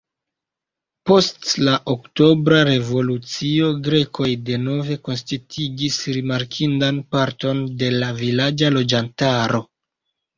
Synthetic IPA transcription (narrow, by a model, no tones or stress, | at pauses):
po̞stlaʔokto̞bɾaɾe̞vo̞lut͡sio̞ɡɾe̞kʰo̞jde̞no̞ve̞ko̞nstitʰiɡisɾimaɾkʰindanpaɾto̞nde̞lavilad͡ʒalo̞d͡ʒantaɾo̞